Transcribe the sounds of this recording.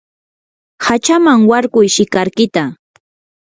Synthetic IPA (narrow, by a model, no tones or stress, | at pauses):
hat͡ʃamaŋwaɾkʊjʃɪkaɾkɪt̪a